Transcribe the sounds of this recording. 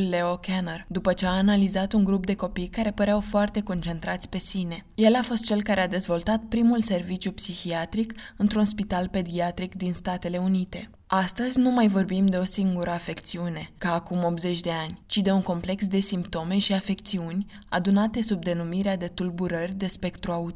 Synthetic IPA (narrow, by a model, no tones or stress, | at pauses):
lːe̞okenərd̪upət͡ʃe̞aːnalizat̪uŋɡɾup̚d̪e̞ko̞pijkaɾe̞pəɾeawfoart̪e̞ko̞nt͡ʃe̞nt̪ɾat̪sʲpe̞sine̞je̞lafo̞st̪̚t͡ʃe̞lkaɾead̪e̞zvo̞lt̪at̪̚pɾimulse̞rvit͡ʃjupsixiat̪ɾikɨnt̪ɾunspit̪alpe̞d̪iat̪ɾikd̪inst̪at̪e̞le̞unit̪e̞ | ast̪əzʲnumajvo̞rbimd̪e̞o̞siŋɡuɾəafe̞kt̪siune̞kaːkumo̞pze̞t͡ʃʲd̪e̞anʲt͡ʃid̪euŋko̞mple̞ksd̪e̞simpt̪o̞me̞ʃiafe̞kt̪siunʲ | a̰d̪unat̪e̞sub̚d̪e̞numiɾead̪e̞t̪ulbuɾərʲd̪e̞spe̞kt̪ɾuaut̪